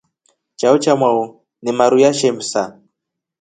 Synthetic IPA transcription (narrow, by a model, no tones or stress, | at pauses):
t͡ʃaut͡ʃamwau | nimaɾujaʃɛmsa